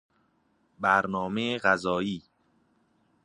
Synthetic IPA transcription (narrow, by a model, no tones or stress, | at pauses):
bæɾnɒːmeeɢæzɒːiː